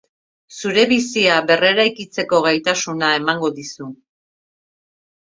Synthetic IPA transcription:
suɾe̞βisiaβe̞re̞ɾajkit͡se̞ko̞ɣ̞ajt̪asunae̞maŋɡo̞ðisu

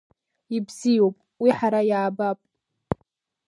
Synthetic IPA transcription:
ibzijopʼ | wiħaɾajaːbapʼ

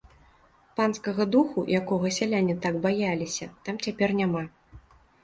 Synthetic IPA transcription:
panskɐɣɐd̪uxujʔakɔɣɐsʲalʲanʲit̪aɡbajalʲisʲɐt̪amt͡sʲapʲɛrnʲama

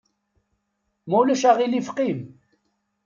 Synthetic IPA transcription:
mæulæʃæʁilifqim

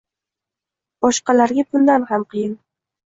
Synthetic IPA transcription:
b̥ɒʃqɑlaɾɡʲabʊnd̪anhamqʰɨjɪn

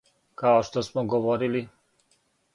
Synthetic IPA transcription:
kaoʃt̪ɔsmɔɡɔvɔɾili

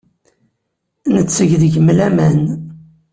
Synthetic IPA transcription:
nət͡sːəʝðəʝəmlæmæn

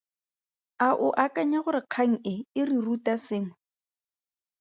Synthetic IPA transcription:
aʔʊʔakʼaɲaɣʊɾɪq͡χʰaŋ̩ɪɪrirutʼasɪːŋwɛ

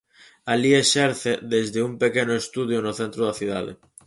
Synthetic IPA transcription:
alieʃeɾθeðezðeumpekenoest̪uð̞jonoθent̪ɾoð̞aθjuða̰ð̞ḛ

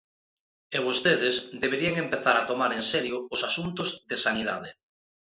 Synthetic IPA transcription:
eβost̪eðezd̪eβ̞eɾieŋempeθaɾat̪omaɾensɛɾjʊːsasunt̪ozðesanið̞a̰ð̞e

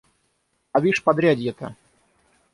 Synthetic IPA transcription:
ɐvʲiʂpɐd̪ɾʲad̪ʲjɛt̪ə̰

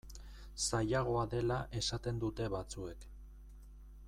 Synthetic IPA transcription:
sajaɣ̞o̞aðe̞laʔe̞sat̪e̞nd̪ut̪e̞βat͡sue̞k

